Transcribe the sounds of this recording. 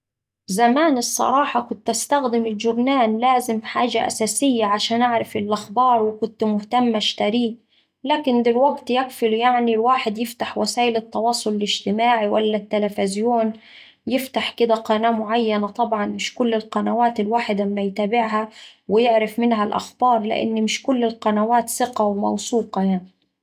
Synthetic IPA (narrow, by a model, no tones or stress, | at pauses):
zamaːnɪsˤːɑ̰ɾˤɑːħɑkʊnt̪ʔast̪axd̪ɪmɪlʒʊbnaːnlaːzɪmfħaːʒaʔa̰saːsɪjːaʕaʃaːnʔaʕɾˤɪfɪlʔaxbɑːɾˤwɪkʊnt̪mʊht̪amːaʃt̪aɾiː | laːkɪnd̪ɪlwaɡt̪jakfɪljaʕnilwaːħɪd̪jɪft̪aħwasaːʔɪlɪt̪ːɑwɑːsˤːʊlɪlɪʒt̪ɪmaːʕiwalːat̪ːalafɪzjoːn | jɪft̪aħkɪd̪aqɑnaːmʊʕajːanat̪ˤɑbʕɑnmɪʃkʊlːɪlqɑnawaːt̪ɪlwaːħɪd̪amːajt̪aːbɪʕɦawɪjɪʕɾɪfmɪnɦalʔa̰xbɑːɾˤlɪ̰ʔɪ̰nːmɪʃkʊlːɪlqɑnawaːt̪sɪqawmɑ̰wsˤuːqɑjaʕni